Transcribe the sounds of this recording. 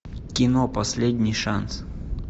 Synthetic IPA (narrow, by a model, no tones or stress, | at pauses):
kʲɪnopɐsʲlʲedʲnʲɪjʂans